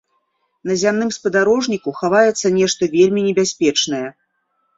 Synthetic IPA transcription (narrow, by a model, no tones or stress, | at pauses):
nɐzʲamnɨmspɐd̪aɾɔʐnʲikuxavajɛt̪sːɐnʲɛʂt̪ɐvʲelʲmʲinʲɛbʲasʲpʲɛt͡ʂnɐjɛ